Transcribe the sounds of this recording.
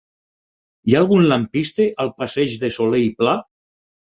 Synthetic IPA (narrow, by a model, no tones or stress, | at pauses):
jaːlˠɣunlampist̪eʔalˠpaseʒðesolejpla